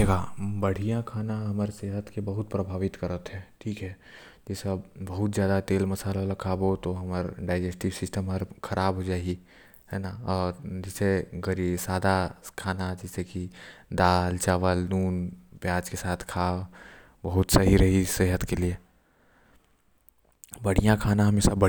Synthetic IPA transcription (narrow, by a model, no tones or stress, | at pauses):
eɡabɐɽ̤ijãkʰaːnaɦɐməɾseɦət̪kebɐɦʊt̪̚pɾəbʱaːʋɪt̪kəɾət̪ɦɛʈʰiːkɦɛ | d͡ʒeːseəbbɐɦʊt̪zjaːd̪at̪eːlmɐsaːlõlakʰaːbot̪oɦɐməɾɖaːɪd͡ʒesʈiʋsɪsʈəmɦəɾkʰɐɾʔaːbɦod͡ʒaːi | hɛːnaɔːɾd͡ʒɛseɡəɾiːbsaːd̪akʰaːnad͡ʒɛsekid̪aːlt͡ʃaːʋəlnuːnpjaːd͡ʒkesaːt̪ʰkʰa | bɐɦʊt̪sɐɦiɾɐɦiseːɦət̪kelie | bəɽ̤ijãkʰaːnãɦɐmesabə